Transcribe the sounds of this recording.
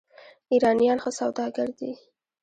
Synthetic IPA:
iɾɑnijɑnxosawd̪ɑɡaɾd̪i

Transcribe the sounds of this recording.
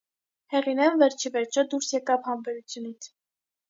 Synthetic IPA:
hɛʁinɛnvɛɾt͡ʃʰivɛɾt͡ʃʰəd̪uɾsjɛkɑvhɑmbɛɾut͡sʰjunit͡sʰ

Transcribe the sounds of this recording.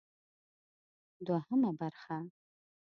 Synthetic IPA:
dwaħəmabarχa

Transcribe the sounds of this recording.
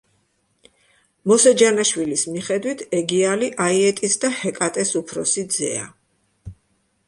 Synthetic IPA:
mɔsɛd͡ʒanaʃwilismiχɛd̪wit̪ʰɛɡialiʔaiɛt̪ʼisd̪ahɛkʼat̪ʼɛsupʰɾɔsid̪zɛ̰a̰

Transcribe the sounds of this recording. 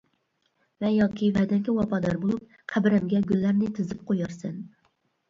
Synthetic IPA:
vɛjɑkʲʰivɛd̪ɛnkʲɛwɑpʰɑd̪ɑɾbolˠup̚ | qʰæbɪɾɛmɡʲɛɡʲylːæɾnɪt̪ʰɨzɨp̚qʰojɑɾsɛn

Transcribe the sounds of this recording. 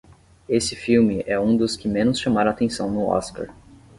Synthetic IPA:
esɪfiwmɪʔɛũd̪ʊskɪmẽnʊsʃɐ̃maɾ̃at̪ẽsɐ̰̃w̃nʊɔ̰ska̰ɾ

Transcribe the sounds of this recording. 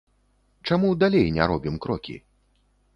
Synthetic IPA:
t͡ʂamud̪alʲejnʲɛ̰ɾɔbʲimkɾɔkʲḭ

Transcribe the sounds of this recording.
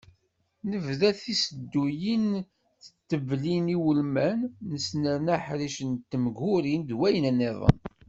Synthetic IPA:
nəvðæθisəd̪ːujin | θə̥t̪ːəvliniwəlmænːəsnænaħɾiʃənt̪ːəmɡʊɾind̪wæjənænːeðˤə̰n

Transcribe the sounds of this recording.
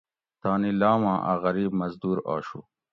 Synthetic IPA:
t̪aːnilaːwãːʔa̰ɣɐɾiːbmɐzd̪uːɾa̰ːɕṵ

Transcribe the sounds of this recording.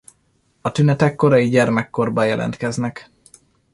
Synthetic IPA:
ɒt̪ynɛt̪ɛkːo̞ɾɒjiɟɛrmɛkːo̞rbɒjɛlʔɛ̰nt̪kɛznɛk

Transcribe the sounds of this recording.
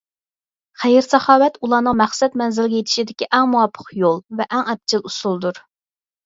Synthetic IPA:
χæjɪɾsɑχɑːwɛt̪ulˠɑːnəŋmæχsɛt̪mɛnzɪlɡʲejet̪ʰɪ̥ʃid̪ɪkʲiʔæŋmuwɑpʰːə̥qjolˠvɛʔæŋɛp̚t͡ʃʰɪlˠusulˠd̪uɾ

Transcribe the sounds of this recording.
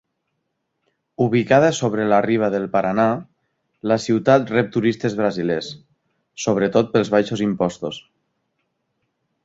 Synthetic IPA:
uβ̞ikað̞əsoβ̞ɾəlariβ̞aðəlˠpaɾana | ləsiwt̪at̪rɛp̚t̪uɾist̪ezβɾazilɛsː | oβ̞ɾət̪ot̪̚pəlˠzβajʃozimpɔst̪os

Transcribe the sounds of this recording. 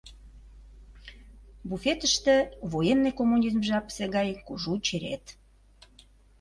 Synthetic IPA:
bufet̪əʃt̪ĕβojenːekomːunʲizmʒɑpseɣɑjkuʒut͡ɕeɾḛt̪

